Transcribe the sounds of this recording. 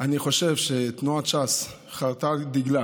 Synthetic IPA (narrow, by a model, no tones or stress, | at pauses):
ʔaniχo̞ʃevʃet̪nuaʃas | χaʁt̪ad̪iɡla